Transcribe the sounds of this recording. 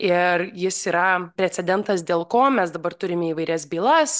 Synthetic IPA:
ɪrjɪsiːɾɐpʲɾʲɛt͡sʲɛdʲɛnt̪ɐsd̪ʲeːlˠkoːmʲɛsd̪ɐbɐrt̪ʊɾʲɪmʲɛiːʋɐɪɾʲɛsbʲiːlˠɐs

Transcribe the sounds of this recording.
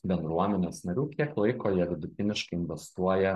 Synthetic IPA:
bʲɛnd̪ɾuɔmʲɛnʲeːsnɐɾʲuːkʲiɛklˠɐɪkoːjiɛʋʲɪd̪ʊt̪ʲɪnʲɪʃkɐɪɪnʲʋʲɛst̪uɔjɛ

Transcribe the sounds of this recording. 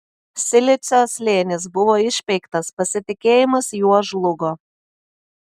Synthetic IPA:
sʲɪlʲɪt̪sʲoːsʲlʲeːnʲɪs̬bʊʋoːɪʃʲpʲɛɪkt̪ɐspɐsʲɪt̪ʲɪkʲeːjɪmɐsjuɔʒlˠʊɡo

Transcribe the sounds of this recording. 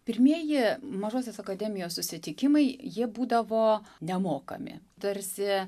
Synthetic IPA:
pʲɪɾʲmʲiɛjɪmɐʒoːsʲeːsɐkɐd̪ʲɛːmʲɪjoːssʊsʲɪt̪ʲɪkʲɪmɐɪjiɛbuːd̪ɐʋoːnʲɛmoːkɐ̰mʲɪ̰ | t̪ɐɾʲsʲɪ

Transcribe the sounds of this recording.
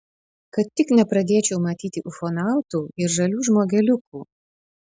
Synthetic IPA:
kɐt̪ːʲɪknʲɛpɾɐd̪ʲeːt͡ʃʲɛʊmɐt̪ʲiːt̪ʲɪʔʊfɔnɑˑʊt̪uːɪɾʒɐlʲuːʒmoːɡʲɛlʲʊkuː

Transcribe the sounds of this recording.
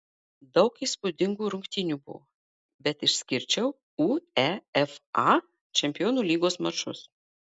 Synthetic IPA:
d̪ɐʊkiːspʊd̪ʲɪŋɡuːɾʊŋʲkt̪ʲɪnʲuːbʊ̰ʋo̰ | bʲɛt̪ɪʃsʲkʲɪɾʲt͡ʃʲɛʊ | uːɛɛfɑ | t͡ʃʲɛmʲpʲɪjoːnuːlʲiːɡoːsmɐt͡ʃʊs

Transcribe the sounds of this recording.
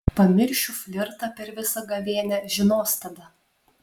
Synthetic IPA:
pɐmʲɪɾʲʃʲʊfʲlʲɪɾt̪ɐpʲɛɾʋʲɪsɐɡɐʋʲiɛnʲɛʒʲɪnoːst̪ɐd̪ɐ

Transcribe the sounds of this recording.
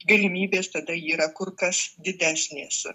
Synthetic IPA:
ɡɐlʲɪmʲiːbʲeːst̪ɐd̪ɐiːɾɐkʊrkɐsd̪ʲɪd̪ʲæːsʲnʲeːs

